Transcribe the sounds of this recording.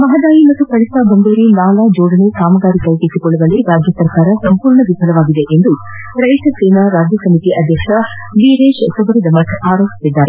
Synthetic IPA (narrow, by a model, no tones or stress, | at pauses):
mɐɦɐd̪aːjimɐt̪ːukɐɭitaːbɐŋɡ̪eːɾinaːlaːd͡ʒoːɖ̪ɐnesaːmɐɡaːɾikɐjkesikɔɭːɐʋɐleɡaːd͡ʒjɐsɐɾkaːɾɐsɐmpuːɾɳɐʋipɐlɐʋaːɡid̪eʔend̪u | ɾɐjʃɐseːnaɾaːd͡ʒjɐsɐmit̪iʔɐd̪ʱjɛkʂɐ | biːɾeːʃsɐʋɐɾɐd̪ɐmɐʈ̪ʰaːɾoːpi̥sid̪ːaːɾe